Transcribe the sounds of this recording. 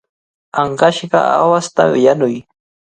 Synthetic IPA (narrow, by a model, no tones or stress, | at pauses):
aɴɢɑʃɢɑ̰a̰wast̪a̰wɪjanʊj